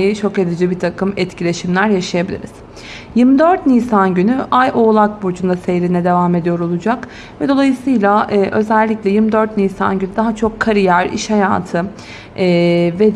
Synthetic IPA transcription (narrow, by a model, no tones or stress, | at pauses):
it͡ʃʰo̞ked̪id͡ʒibit̪ʰakʰɯmɛt̪cʰilʲe̞ʃimlʲæɾjaʃajabilʲḭɾiz̥ | jɯmd̪øɾt̪nisanɟynyʔajʔo̞ːlˠak̚buɾd͡ʒund̪asejɾinɛd̪e̞vaːme̞d̪ijo̞ɾo̞lˠud͡ʒak | vɛd̪o̞lˠajɯsɯjlʲˠaɛːʔø̞zɛlʲːiclʲɛjɯmd̪øɾt̪̚niːsa̰nɟynyd̪aɦat͡ʃʰo̞kʰːaɾijæɾḭʃhaja̰ːt̪ʰɯː | vɛ